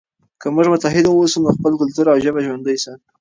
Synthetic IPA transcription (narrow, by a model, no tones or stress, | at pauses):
kəmʊʐmʊt̪aɦɪd̪awsəmnoxpəlkʊlt̪uɾawʒəbaʒwand̪ajsa